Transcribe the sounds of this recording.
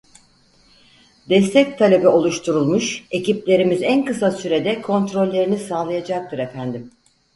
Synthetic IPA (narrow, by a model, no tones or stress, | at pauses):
d̪̥ɛst̪ʰɛc̚t̪ʰalʲe̞bio̞lˠuʃt̪ʰuɾulˠmuʃe̞ciplʲe̞ɾimizænkɯsasyɾe̞d̪ɛkʰo̞nt̪ɾo̞lʲːe̞ɾinisaːlˠajad͡ʒak̚t̪ʰɯɾefænd̪im